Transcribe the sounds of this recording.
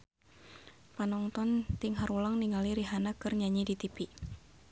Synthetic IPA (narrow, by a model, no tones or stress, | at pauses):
panɔŋt̪ɔnt̪iŋɦaɾulaŋniŋaliɾiɦanakɨrɲaɲidit̪ipi